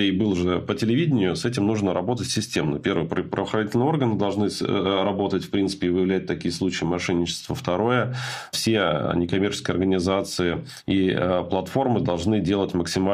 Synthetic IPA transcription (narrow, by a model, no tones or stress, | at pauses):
ebɨlˠʐɨpətʲɪlʲɪvʲidʲɪnʲɪjʊsɛtʲɪmnuʐnəɾɐbo̞t̪ətʲsʲɪsʲtʲe̞mnə̰pʲe̞rvɨjpɾə̰vəxɾɐnʲitʲɪlʲnɨəo̞rɡənɨd̪ɐlˠʐnɨɾɐbo̞t̪ətʲfpɾʲint̪sɨ̥pʲɪːvɨjɪvlʲæt̚ʲt̪ɐkʲijəslˠut͡ɕɪəmɐʂɛnʲːɪt͡ɕɪ̥st̪vəft̪ɐɾo̞jəfsʲḛnʲɪkɐmʲert͡ɕɪ̥skəjɪɐrɡənʲɪzat̪sɨɪ | iplˠɐt̪fo̞rmɨd̪ɐlˠʐnɨdʲe̞lˠətʲməksʲɪma